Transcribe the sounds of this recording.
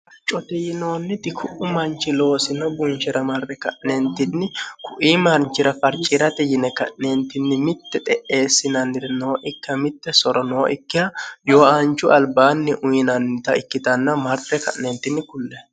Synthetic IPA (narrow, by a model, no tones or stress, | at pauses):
t͡ʃʼɔt̪ɛjɪno̞ːnːɪt̪ɪkʰʊʔʊmɐnt͡ʃːɪlo̞ːsɪnɔbʊnʃɛɾɐmɐrːɛkɐ̰ʔnɛnt̪ːɪnːɪkʰʊʔiːmɐɾnt͡ʃɪɾɐfɐɾt͡ʃʼːɪɾɐt̪ɛjɪnɛkɐ̰ʔnent̪ːɪnːɪmɪt̪ːɛt̪ʼɛʔe̞ːsːɪnɐnːɪɾnoːʔɪkːɐmɪt̪ːɛsɔɾɔnoːʔɪkːɪjɐjoːʔant͡ʃːʊʔɐlbaːnːɪʔʊjɪnɐnɪt̪ɐɪkːɪt̪ɐnːɐmɐɾt̪ːɛkɐ̰ʔnɛnt̪ːɪnːɪkʊlːɛ